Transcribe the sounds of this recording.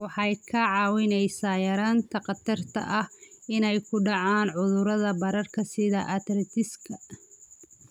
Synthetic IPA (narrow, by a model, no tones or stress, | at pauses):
wɑħɑjkʰɐʕɑːwɪnɛjsaːjɐɾaːnt̪ʰɐqɑt̪ʰɐrt̪ʰɐ̰ʔɐhɪnɛjkʰʊɖɑʕaːnʕʊðʊɾɐðɐbɐɾɐrkʰɐsɪðɐʔɐt̪ɾɐt̪ʰɪskʰɐ